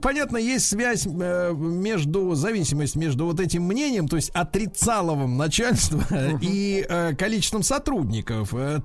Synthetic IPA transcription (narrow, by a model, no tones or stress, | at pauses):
pɐnʲat̪nəjesʲtʲsvʲæsʲ | mʲe̞ʐd̪ʊzɐvʲisʲɪməsʲtʲmʲe̞ʐd̪ʊvo̞t̪̬ɛtʲɪmːnʲenʲɪjəmt̪o̞ɪsʲtʲɐt̪ɾʲɪt̪salˠəvəmnɐt͡ɕalʲst̪vəiʔkɐlʲit͡ɕɪst̪vəmsɐt̪ɾudʲnʲɪkəfə